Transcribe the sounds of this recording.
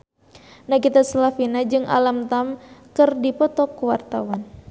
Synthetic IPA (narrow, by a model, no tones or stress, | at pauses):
nakit̪aslafinad͡ʒɨŋʔa̰lamt̪amkɨrdipɔt̪ɔkuwart̪awan